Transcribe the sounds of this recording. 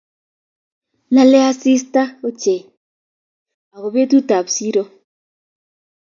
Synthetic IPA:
na˦lɛ˦a˦si˦sta˦o˦t͡ʃe˨ | a˨ɣo˨be˦tu˦ta˨psi˦ɾo˦

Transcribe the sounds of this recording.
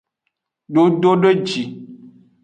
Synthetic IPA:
ɖo˨ɖo˦ɖə˦d͡ʒi˨

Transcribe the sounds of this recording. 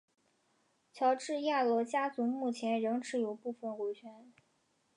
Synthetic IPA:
t͡ɕʰjɑ˧˥ʊʈ͡ʂɻ̩˥˧ja˥˩lwɔ˧˥t͡ɕja˥t͡su˧˥ŋmu˥˩t͡ɕʰjɛ˧˥nɻɤ˧˥ŋʈ͡ʂʰɻ̩˧˥jo˨˩ʊpu˥˩fə˥˩nxu˧˥t͡ɕʰɥɛ˧˥n

